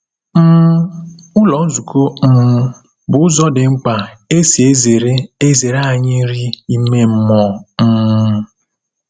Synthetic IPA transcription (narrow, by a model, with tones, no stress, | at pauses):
m̩˦ | ʊ˦lɔ˨˦zu˨ko˦m̩˦ | bʊ˨ʊ˦zɔ˦dɪ˨ŋ͡m̩˦k͡pa˨e˦si˨e˦ze˨ɾe˦e˦ze˨ɾa˦˨ɲɪ˦ɾi˦i˦me˦m̩˦mɔ˨n̩˦